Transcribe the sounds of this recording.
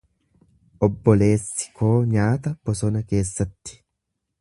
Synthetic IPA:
ʔɔbːɔle̞ːsːɪ̥kʰo̞ːɲaːt̪ɐb̥ɔsɔnɐke̞ːsːɐt̪ːɪ̥

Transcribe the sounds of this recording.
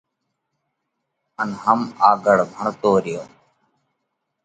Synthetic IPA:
ənɦəmaːɡəɽbʱəɳt̪oːɾɪjoː

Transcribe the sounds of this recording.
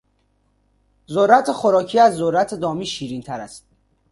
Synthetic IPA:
zoɾːæt̪ʰexoɾɒːcʰiːæzːoɾːæt̪ʰed̪ɒːmiːʃiːɾiːnt̪ʰæɾæst̪̚

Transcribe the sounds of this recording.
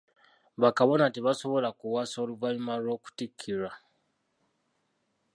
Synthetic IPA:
βakaβo̞natiβaso̞βo̞lakuwaso̞ːluvalumalwo̞ːku̥tikʰːiɾa

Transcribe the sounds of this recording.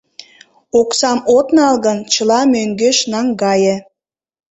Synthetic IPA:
oksɑmot̪nɑlɣə̆nt͡ɕə̆lɑmøŋɡøʃnɑŋɡɑjə̆

